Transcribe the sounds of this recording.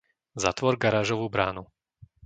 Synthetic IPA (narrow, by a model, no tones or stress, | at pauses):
za̰t̪ʋɔɾɡaɾaːʒɔʋuːbɾaːnu